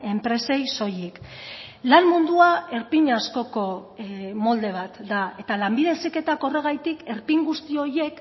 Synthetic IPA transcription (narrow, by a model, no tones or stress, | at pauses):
e̞mpɾe̞se̞jso̞jiklanmund̪uae̞ɾpiɲasko̞ko̞mo̞ld̪e̞β̞at̪d̪ae̞t̪alambið̞e̞sike̞t̪ako̞re̞ɣ̞ajt̪ike̞ɾpiŋɡust̪io̞je̞k